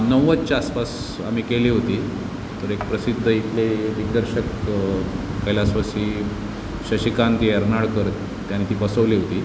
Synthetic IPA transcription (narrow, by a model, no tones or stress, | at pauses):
nəʋətt͡ɕaspas | a̰m̤ikeliːɦot̪iː | t̪əɾek̚pɾəsid̪ʱːəit̪leʈikd̪əɾɕək | kəjlasʋəsi | ɕəɕikant̪ieɾnaɽkəɾt̪ | t̪janit̪iːpəsəʋliːɦot̪iː